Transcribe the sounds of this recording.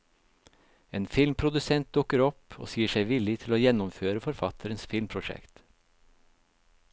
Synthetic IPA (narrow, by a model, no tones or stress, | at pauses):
eːnfɪlmpʰɾʊd̪ʉsɛnt̪̚d̪ʊkəɾɔpo̰ːsiːəʃæɪʋɪlɪt̪ʰɪloːjɛnɔmføːɾəfɔɾfɑt̪ʰəɾənsfɪlmpʰɾʊʃɛ̰kt̪